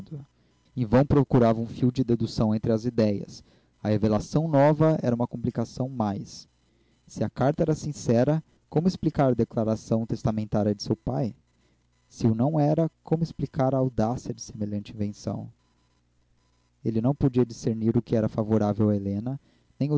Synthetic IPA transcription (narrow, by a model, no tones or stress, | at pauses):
d̪ʊ | ẽvɐ̃w̃pɾokuɾavɐũfiwd͡ʒɪd̪ed̪usɐ̃w̃ẽnt̪ɾɪɐzid̪ɛjɐ̰s | ɐhevelasɐ̃w̃nɔvɐɛɾɐũmɐkõmplikasɐ̃w̃majsː | ɪɐkaɾt̪ɐɛɾɐsĩsɛɾɐ | kõmʊesplikaɾd̪eklaɾasɐ̃w̃t̪est̪amẽnt̪aɾjɐd͡ʒɪsewpaj | sɪʊnɐ̃w̃ɛɾɐkʰõmʊesplikaɾɐːwd̪asiɐd͡ʒɪ̥semeʎɐ̃nt͡ʃɪĩvẽsɐ̰̃w̃ | elɪnɐ̃w̃pod͡ʒiɐd͡ʒiseɾniɾʊkɪɛɾɐfavoɾavewɐelẽnɐ | nẽj̃ʊ